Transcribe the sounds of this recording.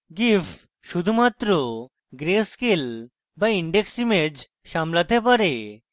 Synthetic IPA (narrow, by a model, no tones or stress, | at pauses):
ɡif | ʃud̪ʱumat̪ːɾo | ɡɾeskel | baiɳɖeksimed͡ʑ | ʃamlat̪epaɾe